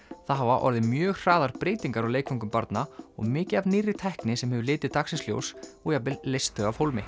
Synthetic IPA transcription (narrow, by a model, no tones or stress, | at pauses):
θaðɦavaʔɔ̰ɾðɪmjœːɣr̥aːðaɾpɾejt̪iŋkaɾawleːjkʰfaŋkʏmpaɾt̪naɔ̰ɣmɪːcɪavnirːɪt̪ʰɛhknɪsɛmhɛvʏlɪːt̪ɪðt̪aksɪsljo̰wsɔɣjapɪlːejst̪ʰœɣavhowlmɪ